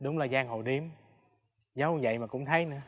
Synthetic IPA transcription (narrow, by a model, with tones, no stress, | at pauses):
ɗʊ˨˦wŋ͡mlaː˨˩zaː˧ŋɦo˨˩jɗi˧˦əm | za˨˦wzə̰˧˨jmaː˨˩kʊ̰˧˥ŋ͡mt̪ʰə˨˦jnɨ̰˧ə